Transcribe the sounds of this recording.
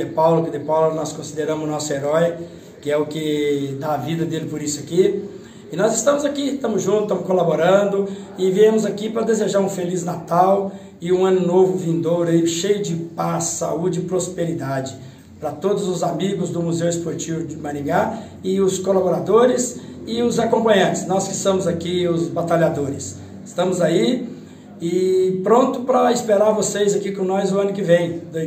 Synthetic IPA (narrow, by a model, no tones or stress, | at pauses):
d̪epawlʊkid̪epawlʊnɔskõsid̪eɾɐ̃mʊzʊnɔsʊeɾɔj | kɪɛʊkɪd̪aːvid̪ɐd̪elɪpʊɾisʊaki | ɪnɔzɪst̪ɐ̃mʊzakit̪ɐ̃mʊzʒũt̪ʊt̪ɐ̃mʊskolaboɾɐ̃nd̪ʊɪviẽmʊzakipɾɐd̪ezeʒaɾũfeliznat̪aw | ɪũɐ̃nʊnovʊvĩnd̪owɾaiʃejʊd͡ʒɪpasːa̰ud͡ʒɪɪpɾospeɾid̪ad͡ʒɪ | pɾɐt̪od̪ʊzʊzamiɡʊzd̪ʊmuzewespoɾt͡ʃivʊd͡ʒɪmɐ̃ɾĩɡa | ɪʊskolaboɾad̪oɾɪs | ɪʊzakõmpɐ̃ɲɐ̃nt͡ʃɪ̥snɔskɪst̪ɐ̃mʊzakiʊzbat̪aʎad̪oɾɪs | ɪst̪ɐ̃mʊzai | ɪpɾõnt̪ʊpɾɐɪspeɾaɾvosejzakikõnɔzʊɐ̃nʊkɪvẽj̃d̪o